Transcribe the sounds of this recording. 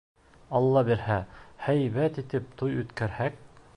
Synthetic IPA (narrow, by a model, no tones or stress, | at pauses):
ɑlˠːɑbiɾhæhæjβæt̪it̪ɘp̚t̪ujɵ̆t̪kæɾhæk̚